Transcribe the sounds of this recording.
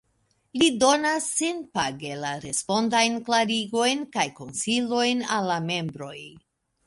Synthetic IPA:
lido̞nasːenpaɡe̞laɾe̞spo̞ndajnklaɾiɡo̞jnkajko̞nsilo̞jnalːame̞mbɾo̞j

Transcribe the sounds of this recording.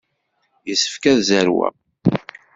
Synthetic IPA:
jəsə̥fkæðzəɾwæ̰

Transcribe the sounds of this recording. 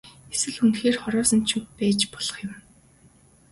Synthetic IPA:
esɘ̆ɮxunxeːrχɔɾɔːsə̆nt͡ɕʰut̚pæːt͡ɕpɔɮ̥ɞ̆χjʊ̆m

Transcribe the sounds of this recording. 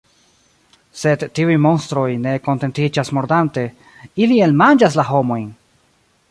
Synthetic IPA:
se̞dːiujmo̞nstɾo̞jne̞ko̞nte̞ntid͡ʒasmo̞ɾdante̞ | ilie̞lmand͡ʒas̬laɦo̞mo̞jn

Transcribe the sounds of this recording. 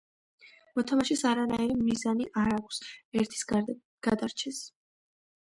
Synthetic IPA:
mɔt̪ʰamaʃisaɾanaiɾimizaniʔaɾakʷʰsɛɾt̪ʰi̥s | ɡ̥ad̪aɾt͡ʃʰɛs

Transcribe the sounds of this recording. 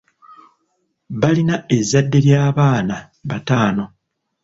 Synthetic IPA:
βalinae̞zːadːe̞ljaːβaːna | βataːno̞

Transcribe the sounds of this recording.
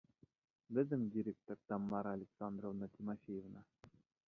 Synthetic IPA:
bʲɘ̆zʲɘ̆mʲdʲiɾʲek̚t̪orʲt̪ɑmːɑɾalʲeksɑnd̪rovnat̪ʲimofʲejevnɑ

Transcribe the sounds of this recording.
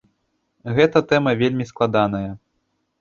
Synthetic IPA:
ɣɛt̪ɐt̪ɛmɐvʲelʲmʲisklˠad̪an̪ɐjɐ

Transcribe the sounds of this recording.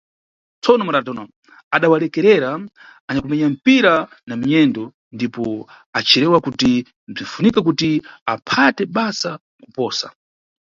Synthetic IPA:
t͡sɔnɔmaɗatɔnɔ | aɗawalɛkɛɾɛɾa | aɲakumɛɲam̩piɾa | namiɲɛndɔ | ndipɔ | at͡ʃʰiɾɛwakuti | b͡ʐiɱfunikak̬utiapʰatɛɓasa | ku̥pɔːsa̰

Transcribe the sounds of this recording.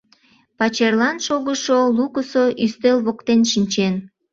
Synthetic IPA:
pɑt͡ɕerlɑnʃoɣəʃolukəsoʔyst̪elβokt̪enʃinʲt͡ɕen

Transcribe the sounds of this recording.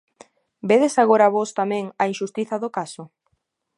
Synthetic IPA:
beðesaɣoɾaβost̪amɛ̃ŋɐinʃust̪iθɐðʊkasʊ

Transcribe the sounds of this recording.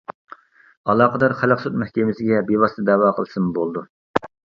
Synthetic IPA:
ɑlˠɑːqəd̪ɑɾχæləqsut̪mæhkʲemɪsɪɡʲɛbewɑst̪ʰɨd̪ɛwɑːqʰəlˠɨsɨmbolˠd̪u

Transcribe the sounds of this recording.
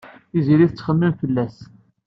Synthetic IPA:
iziɾiθət͡sːχəmːimfəlːæs

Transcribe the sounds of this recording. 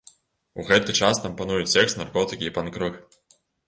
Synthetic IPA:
uɣɛt̪ɨt͡ʂast̪ampanujut͡sʲsʲɛkst̪narkɔt̪ɨkʲiipankɾɨx

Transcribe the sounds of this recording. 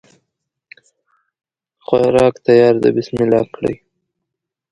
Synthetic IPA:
xwaɾɑkt̪ajɑɾd̪ə̰bɪsmɪlɑ̰b̚kɽə̰j

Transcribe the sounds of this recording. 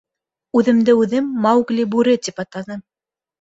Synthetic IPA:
ʉðɘ̆md̪ɘʉðɘmːɑwɡlʲibʉɾɘt̪ipɑt̪ɑnɤ

